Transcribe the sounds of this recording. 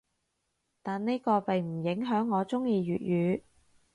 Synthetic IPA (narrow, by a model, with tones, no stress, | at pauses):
t̪aː˨nne˥jkɔː˧pe˨jm̩˨˩jɪ˨˥ŋɦœː˨˥ŋːɔː˨˧t͡sʊ˥ŋjiː˧ɥyː˨t̚jyː˨˧